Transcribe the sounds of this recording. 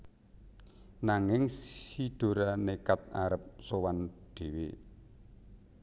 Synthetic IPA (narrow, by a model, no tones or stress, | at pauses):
naŋɪŋsid̪̥o̤ɾanekat̪̚aɾəp̚sowanɖ̪̥e̤we